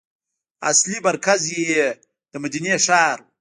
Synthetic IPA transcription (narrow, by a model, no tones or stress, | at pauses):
a̰slimaɾkazje | d̪̥əmad̪ineːʂaːɾ